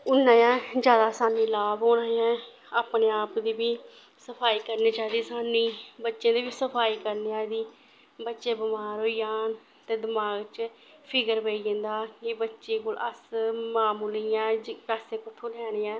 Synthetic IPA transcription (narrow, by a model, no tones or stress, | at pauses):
ʊnːãːjãːd͡ʒjaːd̪aːsaːnĩːlaːbɦoːɽ̃ãːjãː | aːpneːaːpd̪iːbiː | səpʰaːiːkəɾneːt͡ʃaːid̪iːsaːnĩːbətːʃẽːd̪eːʋiːsəpʰaːiːkəɾneaːd̪iː | bətːʃeːbɪmaːɾɦoːiːaːn | t̪eːd̪ɪmaːɡt͡ʃ | pʰɪɡəɾbeiẽnd̪aːkebətːʃeːkoːləsmaːmuːliːãːd͡ʒpaːseːkʊt̪ʰːõːlɛːɽ̃eːaː